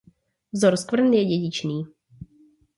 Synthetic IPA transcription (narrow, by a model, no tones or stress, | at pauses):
vzoɾskvr̩njɛɟɛɟɪt͡ʃniː